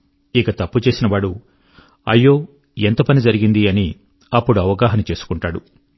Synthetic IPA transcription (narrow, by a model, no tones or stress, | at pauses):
ikɐt̪ɐpːut͡ʃe̞ːsinɐʋaːɽu | ɐ̰jːo̞ː | e̞nt̪ɐpɐnid͡ʒɐɾiɡind̪iɐni | ɐpːuɽuɐʋɐɡaːɦɐnut͡ʃe̞ːsu̥kuɳʈaːɽu